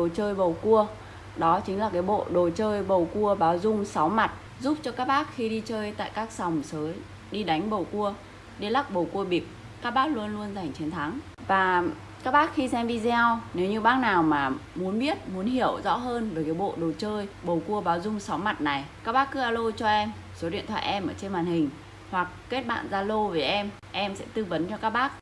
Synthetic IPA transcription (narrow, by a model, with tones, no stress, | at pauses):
ɗo˨˩t͡ɕəː˧jɓə˨˩wku˧ə | ɗɔ˨˦t͡ɕï˨˦ŋ̟laː˨˩kaː˨˦jɓo̰˧˨ɗo˨˩t͡ɕəː˧jɓə˨˩wku˧əɓaː˨˦wzʊ˧ŋ͡msa˨˦wma˨˩t̚ | zu˦˥p̚t͡ɕɔ˧kaː˦˥k̚ɓaː˦˥k̚xi˧ɗi˧t͡ɕəː˧jt̪a̰ː˧˨jkaː˦˥k̚sa˨˩wŋ͡msəː˨˦ | ɗi˧ɗa˨˦jŋ̟ɓə˨˩wku˧ə | ɗi˧la˦˥k̚ɓə˨˩wku˧əɓi˨˩p̚ | kaː˦˥k̚ɓaː˦˥k̚lu˧ənlu˧ənza˨˩jŋ̟t͡ɕe˨˦nt̪ʰa˨˦ŋ | vaː˨˩ | kaː˦˥k̚ɓaː˦˥k̚xi˧sɛ˧mɗi˧za˧wne˨˦wɲɨ˧ɓaː˦˥k̚naː˨˩wmaː˨˩mu˨˦ənɓi˦˥ət̚mu˨˦ənɦi˧˩˨əwzɔ̰˧˥ɦəː˧nvəː˨˩ka˨˦jɓo̰˧˨ɗo˨˩t͡ɕəː˧jɓə˨˩wku˧əɓaː˨˦wzʊ˧ŋ͡msɔ˨˦wŋ͡mma˨˩t̚na˨˩jka˦˥k̚ɓaː˦˥k̚ːɨ˨˦˥ʔaː˧lo˧t͡ɕɔ˧ʔɛ˧m | so˨˦ɗḭ˧˨ənt̪ʰwa̰ː˧˨ʔɛ˧mʔəː˧˩t͡ɕe˧nwaː˨˩nhï˨˩ŋ̟ | hwa˨˩k̚ke˦˥t̚ɓa̰ː˧˨nzaː˧lo˧ve˨˩ʔɛ˧m | ʔɛ˧msɛ̰˧˥t̪ɨ˧və˨˦nt͡ɕɔ˧kaː˦˥k̚ɓaː˦˥k̚